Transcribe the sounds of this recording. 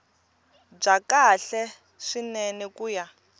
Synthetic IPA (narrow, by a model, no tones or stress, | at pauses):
b͡ʐakaɬɛ | ʂinɛnɛkuːja